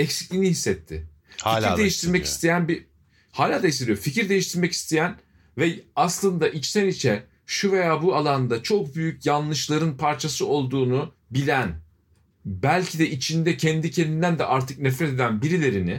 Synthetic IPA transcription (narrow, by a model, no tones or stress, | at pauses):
ɛcsi̥clʲinihisːɛt̪ʰːɪ̰ | hfiiɾd̪ejiʃt̪ʰiɾmɛci̥st̪ʰe̞jænbi | haːlʲaːd̪aisʲeijoficʰiɾd̪e̞jiʃt̪ʰiɾmɛci̥st̪ʰejæn | vɛaslˠɯnd̪aʔit͡ʃsɛnit͡ʃʰɛ | ʃuve̞jaːbualˠand̪at͡ʃʰo̞k̚byjycjanlˠɯʃlˠaɾɯnpʰaɾt͡ʃʰasɯo̞lˠd̪uːnu | bilʲæn | bælʲcʰid̪ɛʔit͡ʃʰind̪ɛcʰɛnd̪icʰend̪ind̪ænd̪ɛʔaɾt̪ʰɯk̚nɛfɾɛt̪e̞d̪ænbiɾilʲe̞ɾinɪ